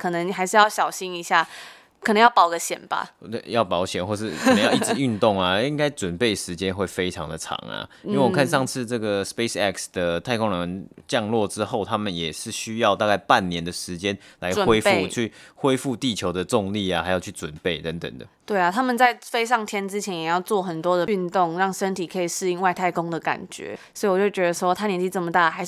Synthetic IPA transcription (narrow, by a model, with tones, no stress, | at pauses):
kʰɤ˨˩nə˧˦ŋ˩xa˧˥ɪʂɻ̩˥˧jɑ˥˩ʊɕjɑ˨˩ʊɕi˥ŋi˧˥ɕja˥˩ | kʰə˨˩nə˧˦ŋjɑ˥˩ʊpɑ˨˩ʊɡə˧˦ɕjɛ̰˨˩nb̥a̰˨t̪e˥˩jɑ˥˩ʊpɑ˧˥ʊɕjɛ˨˩nxwɔ˥˧ʂɻ̩ʰ˥˩ə˧˦jɑ˥˧ʊi˥˩ɻy˥˧nt̪ʊ˥˩ŋa˨i˥ŋka˥ɪʈ͡ʂwə˨˩npe˥˩ɪʂɻ̩˧˦t͡ɕjɛ˥nxwe˥˩ɪfe˥ɪʈ͡ʂʰɑ˧˥ŋd̪ə˨ʈ͡ʂʰɑ̰˧˥ŋa̰˨i˥nwe˥˩˨wɔ˨kʰa˥˧nʂɑ˥˧ŋt͡sʰɹ̩˥˧ʈ͡ʂɤ˥˩ɡə˩spe˥sɛ˥˧ksd̪̥ə˩t̪ʰa˥˩ɪkʰʊ˥ŋɻə˧˦ŋt͡ɕjɑ˥˧ŋlwɔ˥˨ʈ͡ʂɻ̩˥xo˥˩ʊt̪ʰa˥mə˨njɛ˨˩ʂɻ̩˥˩ɕy˥jɑ˥˧ʊt̪a˥˧ka˥˧ɪpa˥˨nːjɛ˧˦nd̪ə˨ʂɻ̩˧˥t͡ɕjɛ˦nla˧˦ɪ˨xwe˥ɪu˥˧t͡ɕʰy˥˩xwe˥ɪfu˥˧t̪i˥˨˩t͡ɕʰjo˧˥ʊd̪ə˨ʈ͡ʂʊ˥˧ŋli˥˩axa˧˥ɪjo˨˩ʊt͡ɕʰy˥˩t͡swə˨˩npe˥˩ɪt̪ə˧˦ŋt̪ə̰˨˩ŋd̪ə̰˩t̪we˥˩ɪa˩t̪ʰa˦˥mə˨nt͡sa˥˩ɪfe˥ɪʂɑ˥˩ŋt̪ʰjɛ˥nt͡sɻ̩˥t͡ɕʰjɛ˧˥njɛ˨˩jɑ˥˧ʊt͡swɔ˥˩xə˨˩nt̪wɔ˥d̪ə˨y˥˧nt̪ʊ˥˨ŋɻɑ˥˩ŋʂə˥nt̪ʰi˨˩kʰɤ˧˥i˨˩ʂɻ̩˥˧i˥˧ŋwa˥˧ɪt̪ʰa˥˩ɪkʊ˥ŋd̪ə˨ka̰˨˩nt͡ɕɥɛ̰˧˥sswɔ˧˥i˨wɔ˨t͡ɕjo˥˩t͡ɕɥɛ˧˥d̪ə˧ʂwɔ˥t̪ʰa˥njɛ˧˥nt͡ɕi˥˧t͡sə˥˩mə˩t̪a˥˩xa˧˥ɪʂ